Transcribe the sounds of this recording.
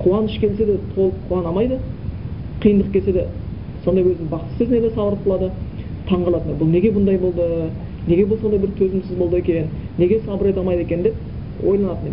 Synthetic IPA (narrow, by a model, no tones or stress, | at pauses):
qʰuwɑnəʃkʲʰe̞lse̞d̪et̪ʰo̞lˠəpqʰuɑnɑmɑjd̪ə | qʰijənd̪əq̚kʲelse̞d̪e | so̞nd̪ɑjwɵznɪbɑqt̪ə̥sesned̪esɑbˠəɾəp̪̚əlˠɑd̪ət̪ʰɑɴʁɑlˠɑt̪ənbʊlˠne̞ɡʲe̞bʊnd̪ɑjbo̞lˠd̪ə | ne̞ɡʲe̞bʊlˠso̞nd̪ɑjbɪɾt̪ʰɵzɪmsɪzbo̞lˠd̪əe̞kʲe̞nɪː | e̞ɡʲe̞sɑbəɾet̪ɑlˠmɑjd̪e̞kʲe̞nd̪e̞p̚ | wʔojlˠɑnɑt̪əne